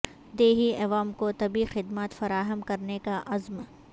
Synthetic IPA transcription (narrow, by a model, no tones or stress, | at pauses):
d̪eːɦiɐʋaːmkot̪ɐbixɪd̪maːt̪fɐɾaːɦəmkɐɾnekaʔɐzm